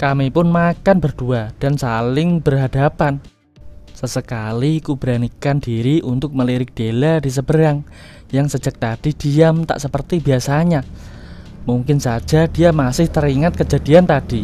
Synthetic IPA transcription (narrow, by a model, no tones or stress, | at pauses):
kamipʊnmakanbərd̥uad̥ansalɪŋb̥ərɦadapan | səsəkalikub̥ɾanikandiɾiʔunt̪ʊk̚məliɾɪk̚d̥eladis̬əbəɾaŋ | jaŋsəd͡ʒak̚t̪ad̥id̥iamt̪a̰ʔsəpərt̪ibiasaɲa | muŋkɪnsḁd͡ʒ̥ad̥ijamasɪht̪əɾiŋat̪̚kəd͡ʒadiant̪ad̥i